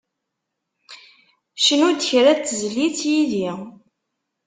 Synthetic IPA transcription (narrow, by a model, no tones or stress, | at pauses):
ʃənʊɾd̪çɾæt͡sːzlːit͡sːjiði